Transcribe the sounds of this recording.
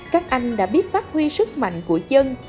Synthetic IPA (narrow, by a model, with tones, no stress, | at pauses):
kaː˦˥k̚ʔa˧jŋ̟ɗa̰ː˧˥ɓi˦˥ət̚faː˦˥t̚hwi˧sɨ˦˥k̚ma̰˧˨ŋ̟ku˧˩ət͡ɕə˧n